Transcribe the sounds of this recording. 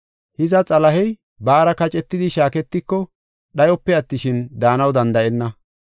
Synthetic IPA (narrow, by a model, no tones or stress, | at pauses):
hɪzɐt͡sʼɐlɐhɛj | baːɾɐkɐt͡ʃʼɛt̪ːɪd̪ɪʃaːkɛt̪ːɪkːɔ | ɗɐjɔpːɛɐt̪ːɪʃɪnd̪aːnɐwd̪ɐnd̪ɐʔɛnːɐ